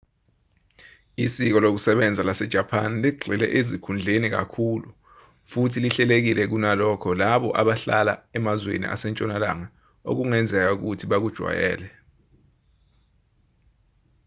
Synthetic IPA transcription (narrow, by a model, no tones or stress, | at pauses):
isik̬ɔlok̬usɛɓɛnd͡zʱalasɛd̥ʒ̥ʱapʰanliɡ͡ǀʱilɛ̰ʔezikʰund͡ɮʱenik̬a̰kʰulu | futʰiliɬɛlek̬ilɛk̬unalɔkʰɔlaɓɔʔaɓaɬala̰ɛmazwḛnḭʔa̰sɛnt͡ʃʼɔnala̰ŋa | o̰k̬uŋɛnd͡zʱɛk̬auk̬utʰiɓak̬ud̥ʒ̥ʱwa̰jɛ̰ːlɛ